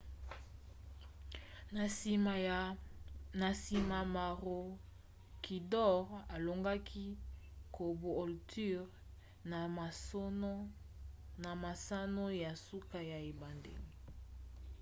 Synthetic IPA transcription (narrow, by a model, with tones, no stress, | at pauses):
na˨si˨ma˨ma˨ʁo˨ | ki˨dɔ˦ʁa˨lo˨ŋɡa˦kʰi˦ko˨bo˨o˨lty˦ʁ | na˨ma˨sa˦no˦ja˨su˦ka˦ja˨e˨ba˨ndḛ˨li˦